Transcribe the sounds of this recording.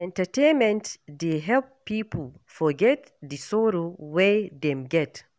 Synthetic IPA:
ɛ̃ntatenmɛ̃ntdeɦɛlpːiːpəlfɔɡɛt | disɔɾowejdɛmɡɛt

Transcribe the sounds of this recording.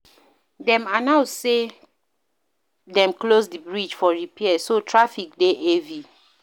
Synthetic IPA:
dɛ̃manaʊse | dɛ̃mklosdibɹid͡ʒfɔɹipɛɛsotʰɹafik̚deʔevi

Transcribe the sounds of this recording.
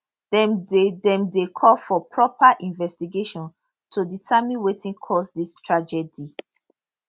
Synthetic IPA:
dɛmdedɛ̃mdekʰɔlfɔpʰɹɔpaʔĩnvɛstiɡeʃɔ̃n | tʰuditʰamĩnwetʰĩnkʰɔsdistʰɹad͡ʒɛdi

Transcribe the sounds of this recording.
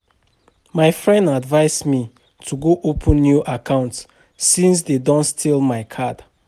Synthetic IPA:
maɪfɹɛ̃ndadvaɪsmi | tʰuɡoʔopʰə̃nːjuʔakʰãʊ̃nt | sĩns̬dedɔ̃ntstʰilˠmaɪkʰad̥

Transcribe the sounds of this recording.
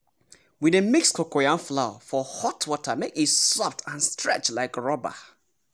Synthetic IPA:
widemikskʰokojãnflaʊa̰fɔhɔtʰwɔtʰəmekisɔftʰãnstʰɹɛ̰t͡ʃtlaɪkɹɔba̰

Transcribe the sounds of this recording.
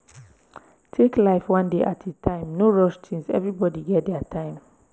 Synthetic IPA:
tʰeklaɪfwɔ̃ndeʔatʰitʰãɪ̃mnoɹɔʃtĩŋsɛ̰vɹibɔdiɡɛt̚dɛatʰãɪ̃m

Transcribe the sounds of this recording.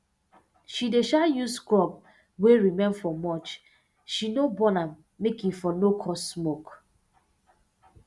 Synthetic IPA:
ʃideʃajuskɔb̚ | weɹimẽnfɔmɔt͡ʃ | ʃinobɔnãmː | ekifɔnokʰɔssmok

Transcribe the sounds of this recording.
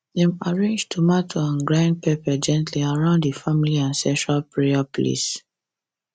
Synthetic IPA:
ðẽmaɹẽnd͡ʒtʰumatʰɔãnɡɹãnd̚pepad͡ʒɛ̃ntʰliaɹãʊ̃nddifamiliãnsɛ̃ʃɹalpɹeaplḛs

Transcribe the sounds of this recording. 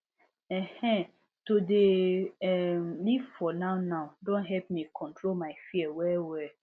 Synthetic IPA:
ɛhɛ̃ | todeɛmlivfɔnãʊnãʊ̃dõnɦɛpmĩkʰɔ̃ntʰɹolmãɪfiɛwɛwɛ

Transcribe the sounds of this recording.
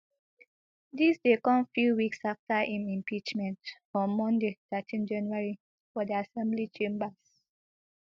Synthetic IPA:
disdekɔ̃mfjuwiksaftaʔĩmĩmpit͡ʃmɛ̃ntfɔ̃mɔ̃ndetatʰĩnd͡ʒãnjuaɹi | fɔdiasɛ̃mblit͡ʃẽmbas

